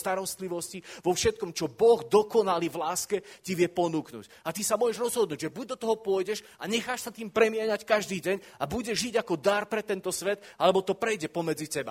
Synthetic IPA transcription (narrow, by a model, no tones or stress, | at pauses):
t̪aɾɔst̪liʋɔsciʋɔfʃɛt̪̚kɔmt͡ʃɔbɔɣd̪ɔkɔnalivlaːskɛciʋɪɛpɔnuːknṵːc | at̪isamʊɔʒɛʒɾɔzɦɔd̪nuːɟʒɛbuɟ̚d̪ɔt̪ɔɦɔpʊɔjɟɛʃ | aɲɛxaːʃsat̪iːmpɾɛmɪɛɲackaʒd̪iːɟɛɲ | abuɟɛʒːiɟakɔd̪aɾpɾɛt̪ɛnt̪ɔsʋɛt̪alɛbɔt̪ɔpɾɛjɟɛpɔmɛd͡zicɛba̰